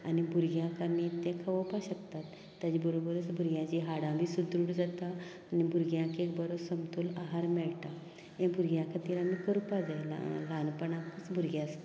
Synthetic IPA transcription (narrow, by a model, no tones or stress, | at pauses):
anibʱuɾɡjãkamiːt̪ɛ̃kʰəʋəpaɕək̚t̪at̪ːjad͡ʑibəɾobəɾət͡sbʱuɾɡjãt͡ɕiɦaɽãbʱiːsud̪ɾuɽd͡zat̪aː | nibʱuɾɡjãkekbəɾosəmt̪uːlaɦaɾmɛɭt̪a | jẽbʱuɾɡjãkʰət̪iɾamikəɾupad͡zajl̰lanpəɳakut͡sbʱuɾɡjas